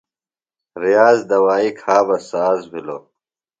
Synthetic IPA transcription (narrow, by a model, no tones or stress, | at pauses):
ɾijaːzd̪ɐwaːikʰaːbɐsaːzbʱiloː